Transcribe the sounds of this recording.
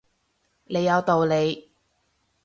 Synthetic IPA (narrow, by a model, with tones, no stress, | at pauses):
ne˨˧jːɐ˨˧wt̪o˨wle˨˧j